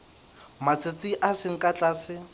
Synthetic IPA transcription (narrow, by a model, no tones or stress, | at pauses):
mat͡sʰɪt͡sʼɪʔasɪŋ̩kʼat͡ɬʼaːsɪ